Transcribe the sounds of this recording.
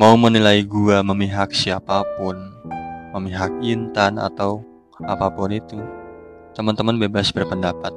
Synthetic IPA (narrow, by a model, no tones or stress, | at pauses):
maumənilaiɡuaməmiɦak̚siapapʊnməmiɦak̚int̪ana̰t̪aw | apapʊnit̪u | t̪əmənt̪əmənbebasbərpəndapat̪̚